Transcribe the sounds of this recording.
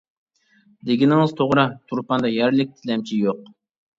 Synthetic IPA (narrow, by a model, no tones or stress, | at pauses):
d̪ɪɡʲinɪŋɨzt̪ʰoʁɾɑt̪ʰuɾpɑnd̪ɑjæɾlɪk̚ʲt̪ʰɪlɛmt͡ʃʰijoq